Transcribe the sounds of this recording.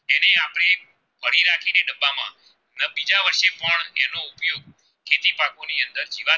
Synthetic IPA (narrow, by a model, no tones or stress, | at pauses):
eneapɽ̃e | bʱəɽiɾakʰineɖəbamã̰ | bid͡ʒaʋəɾʃepəɳḛnoʊpjoɡ̚ | kʰet̪ipakoniənd̪əɾd͡ʒiʋa